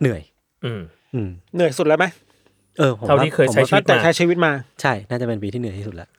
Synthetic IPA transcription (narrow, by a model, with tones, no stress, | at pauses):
nɯ˨˩əj | ʔɯː˧˩ | ʔɯː˧˩nɯ˨˩əjsu˨˩lɛː˦˥wma˦˥j | ʔɤː˧pʰo˨˦a˧˩aiː˥˩kʰɤː˧˦˧i˧a˥˦˩t̪̚ɛː˨˧˩a˦˥t͡ɕʰiː˧wi˦˥t̪̚maː˧t͡ɕʰa˥˩jnaː˥˩t͡ɕa˨˩pe˧np̬iː˧t̪ʰiː˥˩nɯ˨˩˦t̪iː˥˩su˨˩t̪lɛ̰˦˥ʔ